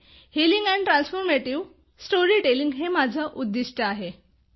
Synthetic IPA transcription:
hiliŋɡæ̃ɳʈɾãnsfoɾmeʈiʋ | sʈoɾiʈeliŋɡɦemad͡zʱəʔud̪ːiʂʈəaɦe

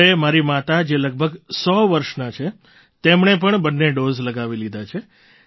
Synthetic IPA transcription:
emaɾimat̪ad͡ʒeləɡ̚bʱəɡsɔʋəɾʃnat͡ʃʰe | t̪emɳep̬əɳbənːeɖozləɡaʋilid̪ʱat͡ʃʰe

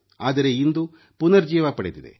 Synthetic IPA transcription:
aːd̪ɐɾe̞ind̪u | punɐɾd͡ʒiːʋapɐɽed̪id̪ḛ

